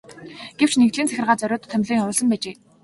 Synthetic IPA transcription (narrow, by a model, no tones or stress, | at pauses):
ɡ̥ew̥t͡ɕnekt̪ɮiːnt͡sʰæxʲɪ̆rʁaːt͡sœɾʲʊːt̪ʰːœmʲɮiːŋʊːɮə̆mpæːt͡ɕeː